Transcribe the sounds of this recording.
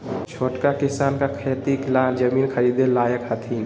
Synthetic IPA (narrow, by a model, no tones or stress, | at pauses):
t͡ʃʰoːʈkakisaːnkakʰet̪ikland͡ʒəmiːnkʰəɾid̪elaːjəkɦət̪ʰiːn